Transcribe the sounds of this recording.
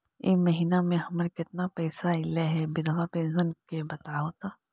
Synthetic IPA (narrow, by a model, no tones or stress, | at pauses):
ḛːmɐɦiːnamẽɦɐməɾkɪt̪napɛːsaɪleɦɛbɪd̪ʱʋapẽːnsənkebɐt̪aɦoːt̪a